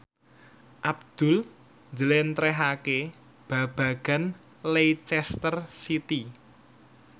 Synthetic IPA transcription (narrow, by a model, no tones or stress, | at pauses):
ʔab̚d̪̥ʊ̤l | ɲd͡ʒəlent̪ɾɛɦake | b̥ä̤b̥a̤ɡ̥a̤n | lejt͡ʃɛst̪ərsit̪i